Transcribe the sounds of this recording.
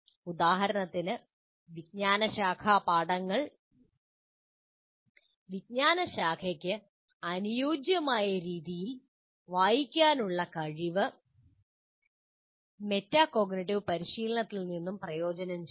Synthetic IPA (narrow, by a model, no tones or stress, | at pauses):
ud̪aːɦɐɾɐnɐt̪ːinɨ | ʋid̚ɲaːnɐɕaːkʰaːpaːɽɐŋːɐɭ | ʋid̚ɲaːnɐɕaːkʰɐkʲːɨ | ɐnujoːd͡ʑjɐmaːjɐɾiːðijil | ʋaːjikʲːaːnuɭːɐkɐɻiʋɨ | me̞tːaːko̞ːɡnɐʈːiʋpɐɾiɕiːlɐɳɐt̪ːilninːumprɐjo̞ːd͡ʑɐnɐm